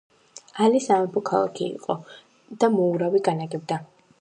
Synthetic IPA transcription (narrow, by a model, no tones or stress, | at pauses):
alisamɛpʰɔkʰalˠa̰kʰḭːqʼɔ | d̪̥amɔuɾawiɡanaɡɛb̚d̪a